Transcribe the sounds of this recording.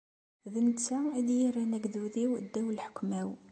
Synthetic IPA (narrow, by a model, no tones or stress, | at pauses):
ðənt͡sːæid̪jiɾænæɡðuðiwd̪ːæwəlħə̥kːmæw